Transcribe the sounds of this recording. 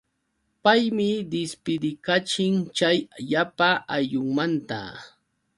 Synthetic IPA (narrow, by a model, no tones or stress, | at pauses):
pajmɪd̪ɪspɪd̪ɪkat͡ʃɪŋt͡ʃajʎapaajʎʊŋmant̪a̰